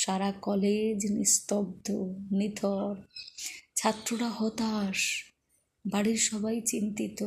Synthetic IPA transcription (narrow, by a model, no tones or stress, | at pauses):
ʃaɾakɔled͡ʑnist̪ob̚d̪ʱonid̪ʱɔɾ | t͡ɕʰat̪ːɾoʈahɔt̪aʃ | baɽiɾʃɔbʱajt͡ɕint̪it̪o